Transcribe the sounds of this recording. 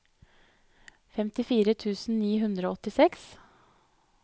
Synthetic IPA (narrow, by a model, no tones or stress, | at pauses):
fɛmt̪ɪfiːɾət̪ʰʉːsn̩niːɦʉnd̪ɾəoːɔt̪ɪsɛks